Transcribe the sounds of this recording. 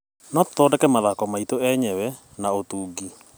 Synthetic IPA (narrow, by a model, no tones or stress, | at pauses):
nɔtɔdɛkɛmaðakɔmaitoɛɲɛwɛ | naotuːɡi